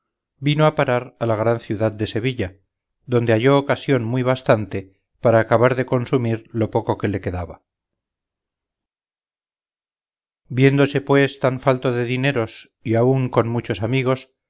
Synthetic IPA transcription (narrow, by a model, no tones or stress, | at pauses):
binoapaɾaɾalaɣ̞ɾanθjuðað̚d̪e̞se̞βiʎa | ðo̞nd̪e̞aʝo̞ːkasjo̞nmwiβast̪ant̪e̞ | paɾaːkaβaɾðe̞ko̞nsumiɾlo̞po̞ko̞ke̞le̞ke̞ðaβa | bje̞nd̪o̞se̞pwe̞st̪aɱfalt̪o̞ðe̞ðine̞ɾo̞s | iauŋko̞nmut͡ʃo̞samiɣo̞s